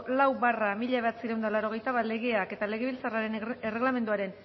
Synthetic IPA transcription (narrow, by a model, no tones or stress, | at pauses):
lawbaramiʎaβe̞at͡siɾewnd̪alaɾo̞ɣ̞e̞jt̪aβat̪le̞ɣe̞ake̞t̪ale̞ɣe̞βilt͡saraɾe̞nere̞ɣlame̞nd̪uaɾe̞n